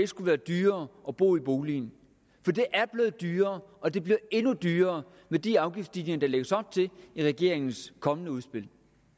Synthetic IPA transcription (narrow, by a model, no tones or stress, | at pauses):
eɡ̥sɡ̥uʋæːɐd̥yːɐːʔɒ̽b̥o̝̰ːib̥o̝ːliːn | fɒ̽d̥e̝ʔæɐb̥le̝ːð̩ˠd̥yːɐːɒ̽d̥e̝b̥liɐe̝nud̥yːɐː | med̥iɑ̈ʊɡ̥ifd̥sd̥ineŋɐd̥ɑ̈leɡ̥əsɒ̽b̥̚t͡sʰe̝iʁɛɡ̥e̝ɐ̰eŋn̩skʰɒ̽mənəuðˠsb̥e̝l̰